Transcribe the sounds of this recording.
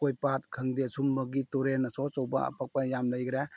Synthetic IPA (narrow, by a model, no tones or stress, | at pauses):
kojpat̚kʰɐŋdesumbɐɡitoɾenɐsɔt͡ʃɔwba̰ɐ̰pak̚pajamləjɡɾe